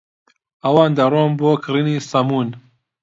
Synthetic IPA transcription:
ɐwɑːnd̪ɐɾoːnboːkʰɨɾiniːsɐmuːn

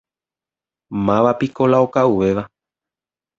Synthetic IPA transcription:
mãʋapiko̞laokauʋe̞ʋa

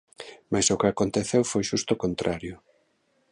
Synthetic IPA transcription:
majsʊkɪakont̪eθewfojʃust̪okont̪ɾʔaɾjʊ

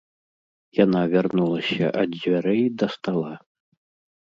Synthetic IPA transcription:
janavʲarnulˠɐsʲɐ̰ʔɐd͡zʲvʲaɾɛjd̪ɐst̪alˠa

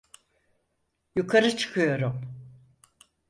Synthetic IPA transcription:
jukʰaɾɯt͡ʃʰɯ̥kʰɯjo̞ɾum

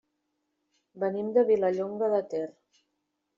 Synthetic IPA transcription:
bənimd̪əβiləʎoŋɡəðət̪er

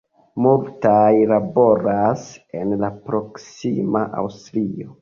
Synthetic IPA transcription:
multajlabo̞ɾasenlapɾo̞ksimaʔa̰wstɾio

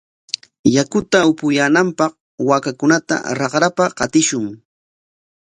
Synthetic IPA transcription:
jakʊt̪aʊpʊjaːnampɑq | waːkakʊnat̪a̰ɾɑqɾapaqɑt̪ɪʃʊŋ

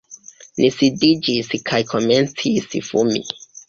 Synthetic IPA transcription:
nʔisidid͡ʒiskʰajkʰome̞nt͡sisfṵmḭ

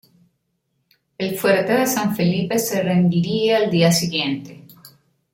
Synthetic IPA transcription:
elfweɾet̪eðesaɱfelipeserend̪iɾieald̪iasiɣje̞nt̪e

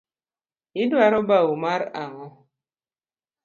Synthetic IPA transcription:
idwaɾɔbaumaɾaŋɔ

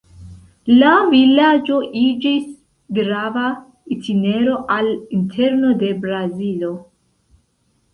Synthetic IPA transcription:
lavilad͡ʒo̞ʔid͡ʒis | ɡɾava | itʰine̞ɾo̞ʔalintʰe̞ɾno̞de̞bɾazilo̞

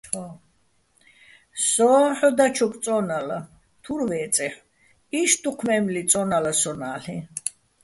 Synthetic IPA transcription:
ɔ | sɔaħɔd̪at͡ʃʰukʼt͡s̪ʼɔnala | t̪ʰuɾvɛːt͡sʼɛħ | iʃt̪ʰuqʰmɛmlit͡sʼɔnalasɔnaːɬi

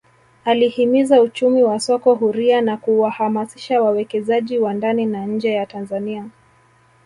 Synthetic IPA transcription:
alihimizaut͡ʃumiwasɔkɔɦuɾianakuwahamasi̥ʃawawɛkɛzaʄiwandaninaɲ̩d͡ʒɛjatanzania

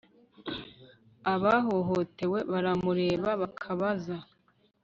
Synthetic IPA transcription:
aβaɦoɦote̞we̞βaɾamuɾe̞ːβaβakʰaβaza

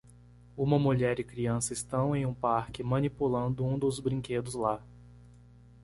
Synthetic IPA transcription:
ũmɐmuʎɛɾɪkɾiɐ̃sɐɪst̪ɐ̃w̃ẽj̃ũpaɾkɪmɐ̃nipulɐ̃nd̪ʊũd̪ʊzbɾĩked̪ʊzla

